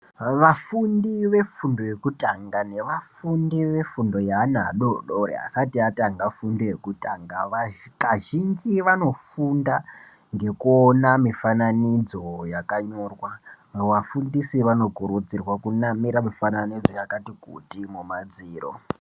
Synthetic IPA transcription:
ʋafundiʋe̞fundo̞je̞kutaŋɡane̞ʋafundiʋe̞fundo̞jaːna̰ːɗoɗoɾḛa̰satiataŋɡafundije̞kutaŋɡaʋakaʒind͡ʒiʋano̞funda | ŋɡe̞kuonamifananid͡zo̞jakaɲo̞ːrwa | ʋafundisiʋano̞ɡʱuɾud͡zirwakunamiɾamifananid͡zo̞jakatikṵtimumad͡ziːro̰

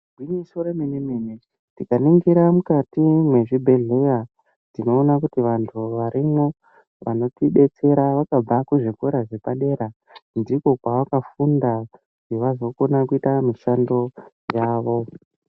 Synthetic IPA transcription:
ɡʱwiɲisoɾeminimine | tikaniŋɡiɾamukatimwe̞ʐibʱe̞ɮe̞ja | nino̞ːnakutiʋantʰuʋaɾimo̞ | ʋa̰no̞tiɓe̞t͡se̞ɾaʋakab͡vakuʐikweɾaʐe̞paɗe̞ɾa | ndiko̞kwaʋakafunda | keʋazo̞ko̞nakuitamiʃando̞ | jaːʋo̞

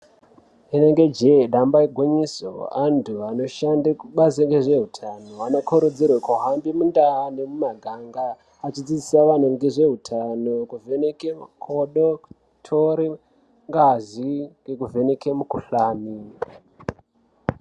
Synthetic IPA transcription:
ene̞ŋɡe̞d͡ʒeɗambaiɡʱwoɲiso̰antʰuano̞ʃandakuɓazeŋɡeʐe̞ɦutʰano̞anokʰoɾud͡zirwakaɦambimundaːnemumaɡʱaŋɡaː | t͡ʃid͡zid͡zisaʋan̤uŋɡeʐe̞ɦutʰano̞kuvenekemukʰoɗo | tʰoɾi | ŋɡaziŋɡekuve̞ne̞kemukuɬaːmi

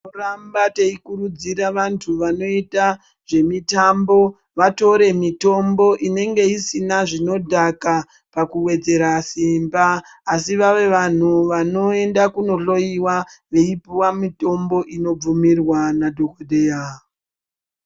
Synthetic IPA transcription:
norambateikuɾud͡ziɾaʋantʰuʋano̞ita | ʐ̥e̞mitambo̞ | ʋato̞ɾe̞mito̞mbo̞ʔine̞ŋɡe̞isinaʐino̞dʱaka | pakuwe̞d͡ze̞ɾasimbaː | siʋaʋe̞ʋan̤uʋano̞e̞ndakuno̞ɬo̞iwaʋe̞ipiwamito̞mbo̞ʔino̞b͡vumirwanadʱokodʱe̞ːa

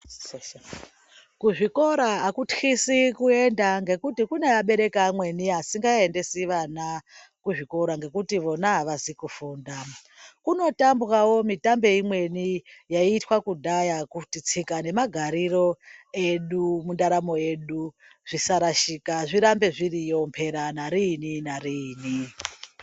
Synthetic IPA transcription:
kuʐiko̞ɾaɦakutxisikue̞ndaŋɡe̞kutikunejaɓe̞ɾe̞kamwe̞niɦasiŋɡae̞nde̞siʋana | kuʐiko̞ɾaŋɡe̞kutiʋo̞naɦaʋasikufuːnda | kuno̞tamburawo̞mitambe̞imwe̞nijaiːtwakudʱajakutit͡sikane̞maɡʱaɾiro̞e̞ɗumundaɾamo̞e̞ɗu | ʐ̥isaɾaʃikaʐiɾambe̞ʐirijompʰe̞ɾanaɾininaɾiːni

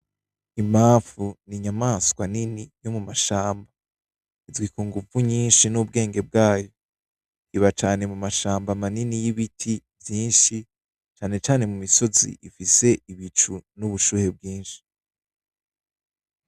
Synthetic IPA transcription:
imaːfuniɲamaːskwaninijo̞mumaʃaːmba | izɡwikuŋɡuvuɲiːnʃinub̚ɡe̞ːŋɡe̞b̚ɡaːjo̞ | iβat͡ʃaːne̞mumaʃaːmbamaninijiβitʰivjiːnʃi | t͡ʃaːne̞t͡ʃaːne̞mumiso̞zḭʔifise̞ʔiβit͡ʃunuβuʃuːhe̞b̚ɡiːnʃi̥

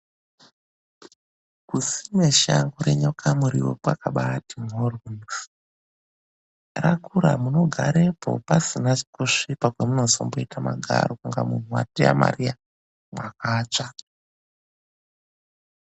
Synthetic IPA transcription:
kusimeʃaŋɡuɾeɲo̞kʰamuɾḭwo̰pwakaɓatimɦoruns | rakuɾa̰muno̞ɡʱaɾe̞po̞̰pasinat͡ʃi̥koʂipakwemunozomboitamaɡʱa̰ɾokuŋɡamun̤uwa̰tia̰ma̰rija | mwakaːt͡ʂa

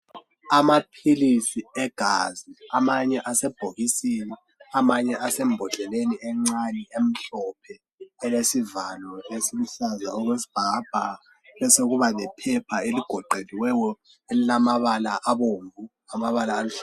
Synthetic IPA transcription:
amapʰilisiɛɡ̥ʱaziamaɲɛʔasɛb̥ʱoɣisini | amaɲɛʔasem̩bʱɔɮʱɛleniɛŋ͡ǀaniem̩ɬɔpʰɛː | lesivalɔesilisaza̰ɔɣwesi̥b̥ʱab̥ʱa̰ | βɛsoɣuβalɛpʰɛpʰaeliɡ̥ʱɔǃeliwɛjɔ | elilamaβalaʔaβoɱvu | amaβalaːluɬ

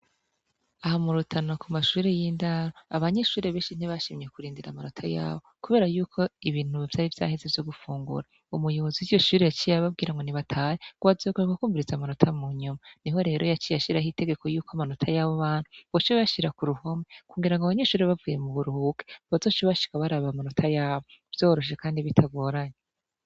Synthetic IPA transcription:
ahamuɾutʰanakumaʃuːɾe̞jiːndaɾoaβaɲe̞ʃuːɾeβe̞ːʃin̥iβaʃiːmɲe̞kuɾiːndiɾamanotʰaja̰ːβokuβe̞ːɾajuːkʰo̞iβiːn̥huvjaːɾivja̰ːhe̞ze̞vjo̞ɡufuːŋɡṵɾa | umujo̞βo̞ziwijo̞ʃuːɾe̞jat͡ʃijaβab̚ɡiːɾaŋɡoniβatʰaːjeɡuazokuɾekukuːɱviɾizamanotʰamuɲumaniɦo̞ɾe̞ːɾo̞jat͡ʃijaʃiɾaɦite̞ɡe̞ko̞juːkoamanotʰajaβoβaːn̥huβot͡ʃiβeβaʃiɾakuɾuho̞mekuŋɡiɾaŋɡoaβaɲeʃuːɾiβavɡuːje̞muβuɾuhuke̥βazo̞ːʃβaʃi̥kaβaɾaβamanotʰajaːβo̞v̥jo̞ːɾo̞ʃekaːndiβitʰaɡwo̞ːɾaɲe

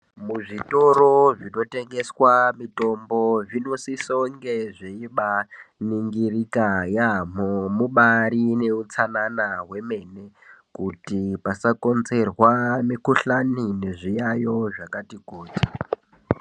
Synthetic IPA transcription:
muʐito̞ɾoʐino̞te̞ŋɡeswamito̞mbo̞ʐinosisoŋɡe̞ʐeiɓaniŋɡirikajam̤omuɓaɾine̞ut͡sananaɦwe̞me̞ne̞ | kutipasako̞nze̞rwamikuɬanine̞ʐijajo̞ʐakatikoːti̥

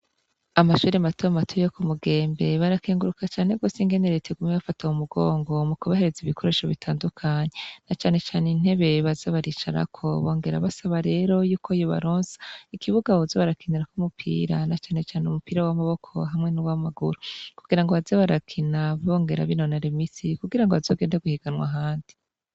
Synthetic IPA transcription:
amaʃuːɾimatoamatʰujokumuɡe̞ːmbe̞βaɾakeːŋɡuɾukat͡ʃaːne̞ɡo̞ːsiŋɡe̞neɾetʰeɡumeβafataumuɡoːŋɡo̞mukuβahe̞ɾeziβikʰo̞ɾe̞ːʃo̞βitʰaːndukʰaɲe̞nat͡ʃaːne̞t͡ʃaːnein̥he̞βe̞βazeβaɾit͡ʃaɾa̰kʰo̞βo̞ːŋɡe̞ɾa̰βasaβaɾe̞ːɾo̞juːko̞joβa̰ɾoːnzḁikiβuɡaozo̞βaɾakʰiniɾakumupʰḭːɾanat͡ʃaːne̞t͡ʃaːneumupiːɾawamaβo̞kʰo̞̰ɦamŋe̞nuwamaɡuɾukuɡ̥iɾaŋɡo̞βazeβaɾakʰinaβo̞ːŋɡe̞ɾa̰βino̞naɾemisikuɡiɾaŋɡoazo̞ɡeːndaɡuhiɡanwa̰ɦaːndi

